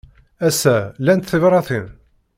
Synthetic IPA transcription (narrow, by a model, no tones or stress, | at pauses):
æsælænt̪θəvɾˤɑθin